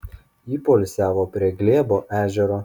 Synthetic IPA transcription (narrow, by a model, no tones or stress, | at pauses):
iːpolʲsʲæːʋoːpʲɾʲiɛɡʲlʲeːboːʔæːʒʲɛɾoː